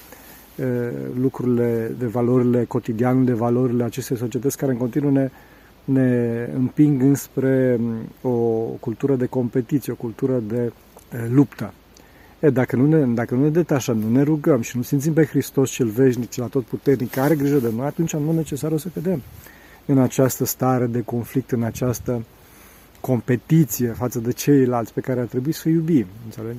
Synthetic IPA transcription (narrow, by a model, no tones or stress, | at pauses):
əlukɾuɾile̞d̪e̞valo̞ɾile̞ko̞t̪id̪iand̪e̞valo̞ɾileat͡ʃe̞st̪e̞js̬o̞t͡ʃie̞t̪ətsʲkaɾeɨŋkot̪inuəne | ne̞ɨ̰mpiŋɡɨnspɾe̞okult̪uɾəd̪e̞ko̞mpe̞t̪it̪sijeokult̪uɾəd̪e̞ | lupt̪ə | ed̪akənune̞d̪akənune̞d̪e̞t̪aʃəmnune̞ɾuɡəmʃinusinmt̪simpe̞xɾist̪o̞sʃiɨlve̞ʃ̬nikt͡ʃilat̪o̞t̪̚put̪e̞rnikːaɾe̞ɡɾiʒəd̪eno̞jat̪unt͡ʃanune̞t͡ʃe̞saɾosəkəd̪e̞m | ɨnat͡ʃast̪əst̪aɾe̞d̪e̞ko̞nflik̚t̪ɨnat͡ʃast̪ə | ko̞mpe̞t̪it̪sije̞fat̪səd̪e̞t͡ʃe̞jlalt̪sʲpe̞kaɾeart̪ɾe̞buisəjubimɨnsale